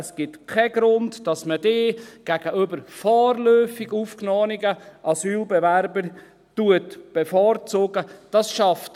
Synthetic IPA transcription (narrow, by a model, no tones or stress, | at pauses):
sɡ̥ɪtkʰɛɡ̥ɾʊntdɑsmədeːɡ̥æɡ̥əʔybəɾfɔːrlœːfiɡuːfknɔːəniɡəʔɑsyːlbɛvæɾbəɾ | tuətb̥efɔːrt͡soːɡ̥əd̥ɑsʃɑft